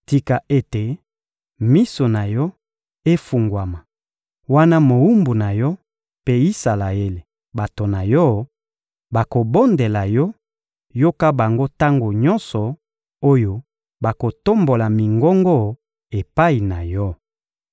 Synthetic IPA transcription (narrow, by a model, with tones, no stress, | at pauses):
ti˨ka˨ʔe˦te˨ | mi˦so˨na˨jɔ˦ | e˦fu˨ŋɡwa˨ma˨ | wa˦na˦mo˨u˦mbu˨na˨jɔ˦ | pe˦i˦sa˨la˨e˦le˨ | ba˨to˨na˨jɔ˦ | ba˨ko˨bo˦nde˨la˨jɔ˦ | jo˦ka˦ba˨ŋɡo˦ta˦ŋɡo˨ɲɔ̃˦nsɔ˨ | o˦jo˨ | ba˨ko˨to˦mbo˨la˨mi˨ŋɡɔ˦ŋɡɔ˦ | e˨pa˦i˨na˨jɔ˦